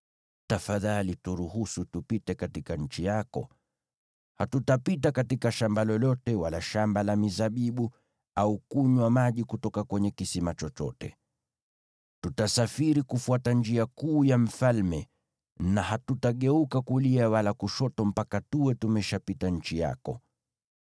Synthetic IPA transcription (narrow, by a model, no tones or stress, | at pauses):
tafaðalituɾuhusutupitɛkatikaɲ̩t͡ʃijakɔ̰ | hatutapitakatikaʃambalɔlɔtɛwalaʃambalamizaɓiɓu | aukuɲwamaʄikutɔkakwɛɲɛkisimat͡ʃɔt͡ʃɔ̰tɛ̰ | tutasafiɾikufuatand͡ʒiakuːjam̩falmɛ | nahatutaɠɛukakuliawalakuʃɔtɔm̩pakatuwɛtumɛʃapitaɲ̩t͡ʃija̰kɔ̰